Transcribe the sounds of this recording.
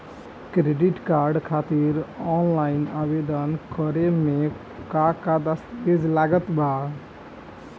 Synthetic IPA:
kɾeɖiʈkaːɾɖkʰaːt̪iɾɔnlaːɪnaːbed̪ənkɔɾemẽ | kakad̪əst̪bed͡ʒlaːɡət̪ba

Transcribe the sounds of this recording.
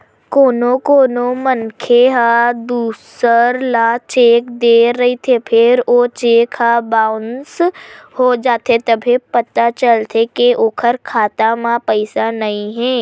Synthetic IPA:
koːnõkoːnomənkʰeɦad̪uːsəɾlat͡ʃeːkd̪eːɾɐɦit̪ʰepʰɪɾot͡ʃeːkʰabaːʊnshod͡ʒaːt̪ʰet̪ɐbʱepɐt̪at͡ʃəlt̪ʰekeʔoːkʰəɾkʰaːt̪amãpəɪsanɐĩɦɛː

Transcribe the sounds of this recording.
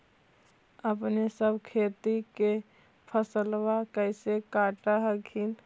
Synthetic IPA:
əpnesəbkʰeːt̪ike | pʰəsəlwakɛɪsekaːʈaɦəɡʰʱin

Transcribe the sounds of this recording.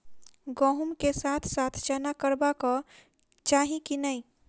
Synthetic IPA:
ɡɔɦumkesat̪ʰsat̪ʰt͡ʃanakəɾbakɔ | t͡ʃaɦĩkinəj

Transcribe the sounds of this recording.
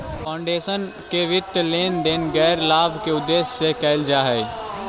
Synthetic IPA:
pãʊ̃ɳɖeːʃən | keʋɪt̪ːleːnd̪eːnɡɛːɾlaːbkeʊd̪ːeːssekɛːɪld͡ʒaɦɛi

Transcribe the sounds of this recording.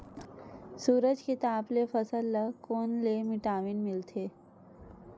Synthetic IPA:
suːɾəd͡ʒket̪aːplefəsəlːəkoːnlemɪʈaːʋinmɪlt̪ʰe

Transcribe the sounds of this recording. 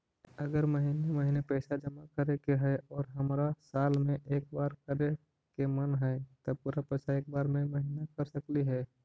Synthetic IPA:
əɡəɾməɦiːneməɦiːnepɛːsad͡ʒəmakəɾekeɦɛɔːɾɦəmɾasaːlmẽʔeːk̚baːɾkəɾe | kemənɦɛt̪əpuːɾapɛːsaeːk̚baːɾmẽməɦinakəɾsəkliɦɛː

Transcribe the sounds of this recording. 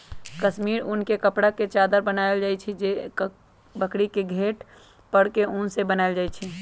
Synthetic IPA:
kəʃmiːɾʊnkekəpɽaket͡ʃaːd̪əɾbənaɪld͡ʒaːit͡ʃʰid͡ʒe | bəkɽikeɡʱeːʈ | pəɽkeʊ̃nsebənaɪld͡ʒaːit͡ʃʰi

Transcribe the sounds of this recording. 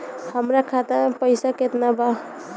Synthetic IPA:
həmɾakʰat̪apəjsaket̪naba

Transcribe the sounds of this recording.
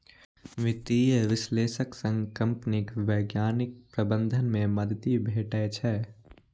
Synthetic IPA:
ʋɪt̪iːjəʋɪsleːʃəksə̃ŋɡkɐ̃mpnɪkʋɛːɡjaːnɪk̚pɾəbə̃nd̪ʱənmẽmɐd̪ʱt̪ibʱeːʈɛːt͡ʃʰɛː

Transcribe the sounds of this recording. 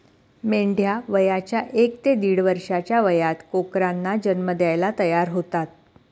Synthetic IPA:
meɳɖʱjaʋəjat͡ɕjaʔekt̪ed̪iɽʋəɾʂat͡ɕjaʋəjat̪kokɾanːad͡ʑənməd̪jajlat̪əjaɾɦot̪at̪̚

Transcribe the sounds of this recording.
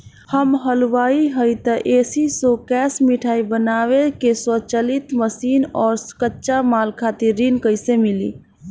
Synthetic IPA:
həmɦəlwaiɦəjt̪əʔeːsisokɛːsmiʈʰaːibənawekeswət͡ʃəlit̪məsiːnɔːɾskətːʃamalkʰat̪iɾːinkəɪsemilḭ

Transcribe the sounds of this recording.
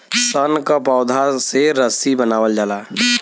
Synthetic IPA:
sənkapaʊd̪ʱaseɾəsibənaːwəld͡ʒaːlaː

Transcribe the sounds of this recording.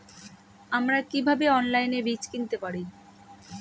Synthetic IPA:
amɾakibʱabeɔnlajnebit͡ɕkint̪epaɾi

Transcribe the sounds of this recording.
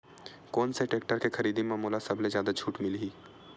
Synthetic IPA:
kɔːnseʈeːk̚ʈəɾkexɐɾiːd̪imãmoːlasɐblezjaːd̪ad͡ʒʰʱuːʈmɪliɦiː

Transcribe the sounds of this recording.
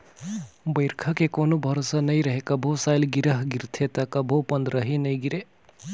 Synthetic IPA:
bɐjɾkʰɐkekonubʱɐɾosɐnɐjɾɐɦekɐbʱosaːjlɡiɾɐɦɡiɾt̪ʰet̪ɐkɐbʱopɐnd̪ɾɐɦinɐjɡiɾe

